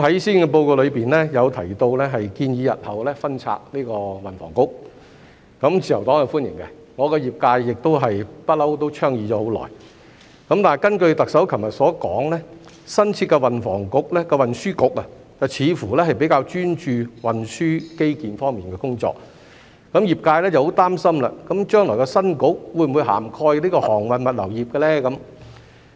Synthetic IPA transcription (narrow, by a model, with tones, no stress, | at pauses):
ɦɐ˨˥jsiː˥nkɛ˧p̬o˧wko˧wlɵ˨˧ɥpiː˨˩nlɛː˥jɐ˨˧wt̪ʰɐ˨˩jt̪o˧wlɛː˥ɦɐ˨jkiː˧njiː˨˧jɐ˨t̚hɐ˨˩wlɛː˥fɐ˥nt͡sʰa̰ː˧k̚niː˥kɔː˧wɐ˨nfɔ̰ː˨˩ŋkʊ˥k̚ | kɐ˨˥mt͡sʰiː˨jɐ˨˩wt̪ɔː˨˥ŋhɐ˨˧fuː˥njɪ̰˨˩ŋkɛ˧ | ŋɔː˨˧kɛ˧jiː˨p̚kaː˧jːɪ˨k̚t̪o˥wɦɐ˨jpɐ˥t̚lɐ˥wt̪o˥wt͡ʃʰœː˥ŋjiː˨˧t͡ʃɔː˨˥ho˨˥wlɔ̰ː˨˩j | kɐ˨˥mt̪aː˨˩kɐ˥nkɵ˧ɥt̪ɐ˨k̚sɐ˨˥wkʰɐ˨˩mjɐ˨t̚sɔː˨˥kɔː˨˥ŋlɛː˥ | sɐ˥nt͡sʰiː˧t̚kɛ˧wɐ˨nfɔ̰ː˨˩ŋkʊ˨˥k̚lɛ˥kɛ˧wɐ˨nsyː˥kʊ˨˥k̚ɐ˨ | t͡sɐ˨˩wt͡sʰiː˨˧fuː˨˩lɛː˥ɦɐ˨˩jp̬e˨˥jkaː˧wt͡ʃyː˥nt͡ʃyː˧wɐ˨nsyː˥ke˥jkiː˨˩nfɔː˥ŋmiː˨nkɛː˧kʊ˥ŋt͡sɔ̰ː˧˨k̚ | kɐ˨˥mjiː˨˩p̚kaː˧jlɛː˥t͡sɐ˨who˨˥wt̪aː˥msɐ˥mla̰ː˨kɐ˨˥mt͡ʃœː˥ŋlɔː˨˩jkɔ˧sɐ˥nkʊ˨˥k̚wu˨˧jm˨u˨˧jɦa̰ː˨˩mkʰɔː˧jliː˥kɔː˧hɔː˨˩ŋwɐ˨nmɐ˨t̚lɐ̰˨˩wjiː˨˩p̚kɛ˧lɛː˥kɐ˨˦m